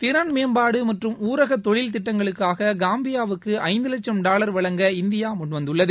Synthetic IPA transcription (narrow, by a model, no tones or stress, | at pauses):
t̪ɪɾɐɳmeːmbaːɽɯmɐʈrɯmuːɾɐɣɐt̪ːɔɻɪlt̪ɪʈːɐŋɡɐɭɯkːaːɣɐɡaːmbɪjaːʋɯkːɯʔɐɪnd̪ɯlɐt͡ʃːɐmɖaːlɐɾʋɐɭɐŋɡɐɪnd̪ɪjaːmʊɳʋɐnd̪ɯɭːɐðɯ